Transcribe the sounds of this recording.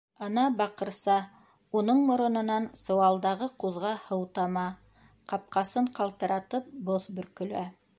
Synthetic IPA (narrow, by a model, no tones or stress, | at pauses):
ɑnɑbɑqɤ̆ɾsɑ | unɤɴmŏɾŏnɤ̆nɑnsɤ̆wɑlˠd̪ɑʁɤquðʁɑhɤ̆wt̪ɑmɑ | qɑp̚qɑsɤɴqɑlˠt̪ɤ̆ɾɑt̪ɤp̚boθbɵ̆ɾkɵ̆læ